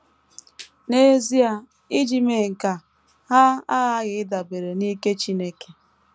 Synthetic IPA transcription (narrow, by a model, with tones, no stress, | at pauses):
ne˦zi˦a˨ | i˦d͡ʒi˨me˨ŋ̩˨ka˨ | ha˦a˦ɣa˦ɣɪ˨ɪ˦da˨be˨ɾe˨ni˦ke˦t͡ʃi˦ne˦ke̥˨